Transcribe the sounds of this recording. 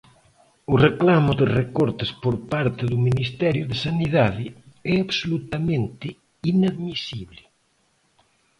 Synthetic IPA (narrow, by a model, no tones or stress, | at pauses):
ʊreklamʊðerekoɾt̪espoɾpaɾt̪ɪðuminist̪ɛɾjʊðesaniðaðɪɛaβsolut̪amẽnt̪ɪ | inaðmisiβlɪ